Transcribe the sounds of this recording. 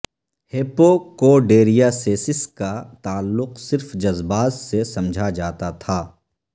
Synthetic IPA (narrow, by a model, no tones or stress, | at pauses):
heːpokoːɖeːɾijaseːsɪskat̪aːlːʊqsɪɾfd͡ʒɐzbaːt̪sesɐ̃md͡ʒʱad͡ʒaːt̪at̪ʰaː